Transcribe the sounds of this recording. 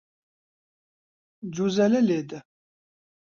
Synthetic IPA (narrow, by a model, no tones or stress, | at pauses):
d͡ʒuzɛlɛleːd̪ɛ